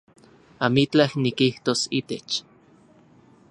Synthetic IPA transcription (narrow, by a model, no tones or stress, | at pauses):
amit͡ɬahnikiht̪osit̪et͡ʃ